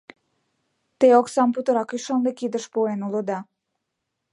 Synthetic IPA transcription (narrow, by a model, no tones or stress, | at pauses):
t̪eoksɑmput̪əɾɑkyʃɑnd̪ekid̪əʃpoenulod̪ɑ